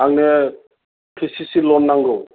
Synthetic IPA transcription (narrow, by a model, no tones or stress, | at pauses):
aŋnɛ | kʰisisilɔnːaŋɡɔ